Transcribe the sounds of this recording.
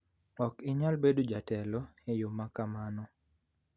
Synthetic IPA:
ɔkɪɲalbedod͡ʒatɛlɔejomakamanɔ

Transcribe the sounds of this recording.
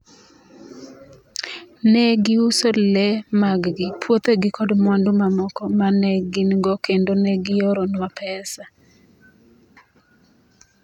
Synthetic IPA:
nɛɡɪusolɛmaɡɡɪpʰwot̪eɡɪkɔdmwandʊmamɔkɔmanɛɡinɡɔkendonɛɡɪjoɾonwapʰɛsa

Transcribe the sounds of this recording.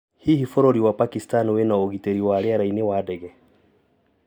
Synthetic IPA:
hihifɔɾoɾiwapakistanwenaoɣiteɾiwaɾeaɾainewadɛɣɛ

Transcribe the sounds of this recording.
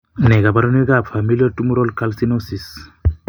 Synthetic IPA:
neɡabaɾɔneɡapʰamiliɔʈumuɾɔlkalsinosis

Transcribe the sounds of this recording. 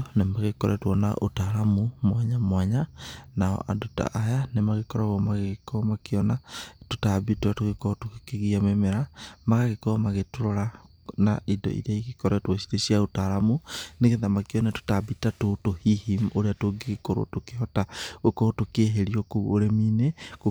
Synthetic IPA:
nemaɣekɔɾɛtwɔna̰ʔo̰taɾamumwaɲamwaɲanaɔ̰ʔa̰dota̰ʔajanemaɣekɔɾaɣɔmaɣekɔmakeɔnatotabitwatoɣekɔtokekeɣiamemeɾamaɣaɣekɔmaɣetoɾɔɾa | naʔidɔ̰ʔḭɾaiɣekɔɾɛtwɔsi̥ɾesiaotaɾamuneɣeðamakeɔnato̥tabitatotohihimoɾeatoɡeɣekoɾo̰tokehɔtaokɔtokeɦeɾiɔkooɾemineko

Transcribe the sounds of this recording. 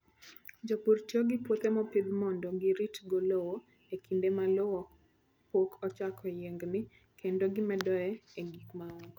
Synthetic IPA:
d͡ʒɔpurtjoɡɪpwot̪emɔpid̪mɔndɔɡiɾitɡolowo | ekʰindemalowɔ | pokʰɔt͡ʃakʰɔjeŋɡnɪ | kʰendoɡɪmɛdɔɛeɡikmaɔŋɡɔ

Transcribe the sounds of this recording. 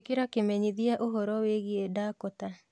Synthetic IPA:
keɾakemɛɲiðiaʔoɦɔɾɔweɣiedaːkota

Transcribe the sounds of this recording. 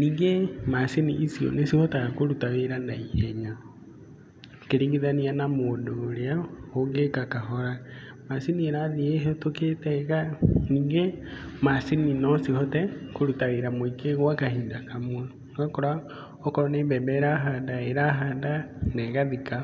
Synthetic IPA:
niːŋɡemasiniːsiɔ̰nesihɔtaakoɾutaweɾandaihɛɲa | keɾiːŋɡiðanianamoːndoːɾeaoŋɡekakaɦɔɾa | masinieɾaðieɦɔtoketɛɣaniːŋɡemasininɔsihɔtɛkoɾutaweɾamoikeɣwakahiːndakamwon | ɡakɔɾa | ɔkɔɾɔneːmbɛmbɛɾaɦaːndaeɾaɦaːndanɛɣaðika

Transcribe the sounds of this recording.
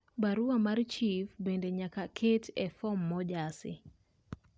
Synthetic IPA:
baɾuamart͡ʃifbendɛɲakakʰetʰɛfɔmːɔd͡ʒasɪ̰

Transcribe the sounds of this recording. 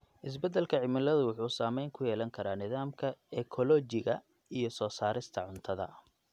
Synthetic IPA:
ʔɪs̬bɛd̪ɛlkʰɐʕɪmɪlɐðʊwʊħuːsaːmɛjŋkʰʊjɛːlɐŋkʰɐɾaːnɪðaːmkʰɐɛkʰɔlɔːt͡ʃɪɣɐ | ijɞsɔːsaːɾɪst̪ʰɐʕʊnt̪ʰɐðɐ̰

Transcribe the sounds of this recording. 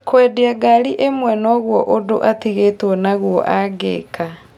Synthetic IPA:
kwɛdiaɡaɾiʔemwɛnɔɣwɔʔodoʔatiɣetwɔnaɣwɔ̰ʔaɡḛka

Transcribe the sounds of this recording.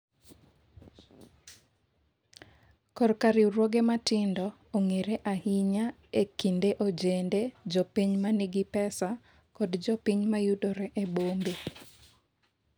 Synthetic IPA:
kɔrkaɾiɾwɔɡematɪndɔː | ŋeɾeʔahiɲa | ekindeʔod͡ʒended͡ʒɔpiɲmanɪɡɪpɛsa | kɔdd͡ʒɔpiɲmajudɔɾɛʔebombe

